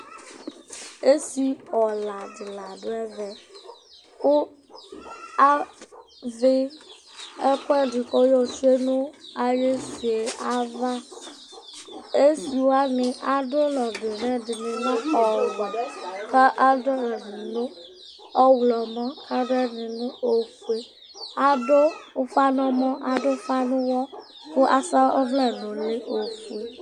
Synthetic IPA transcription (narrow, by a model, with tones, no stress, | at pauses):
e˦si˨ɔ˨la˨dɪ˨la˨do˦ɛ˦vɛ˨ | o˦ | a˦ | vɪ˦ | ɛ˦kɛ˦dɪ˨kɔ˦jɔ˨t͡ʃu˦e˦nʊ̃˦a˨je˦si˨e˨a˦va˦ | e˦si˨wo˦a˦nɪ˨ʔa˨do˦lɔ˨de˨nɛ̃˦di˨nĩ˨nã˦ɔ˨ɡ͡bɔ˨kɛ˦ʔa˦do˦ɛ˨ni˨nõ˦ | ɔ˦wlɔ˨mɔ̃˦ka˦ɖɛ˦nĩ˨nʊ̃˦o˨fu˨e˨ | a˨do˦fa˦nɔ̃˨mɔ̃˦ʔa˨do˦fa˦nũ˦wɔ˦ | ku˦ʔa˨sa˦ɔ̰˦vlɛ˦˨nɔ̃˨nĩ˦o˨fu˨e˨